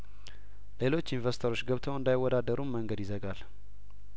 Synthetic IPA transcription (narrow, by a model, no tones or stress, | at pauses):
le̞lo̞t͡ʃːinvəɾsit̪ʰəɾo̞t͡ʃːɡəβt̪ʰəwɨnd̪ajwːɔd̪ad̪ːəɾumməŋɡəd̪jɪzəɡal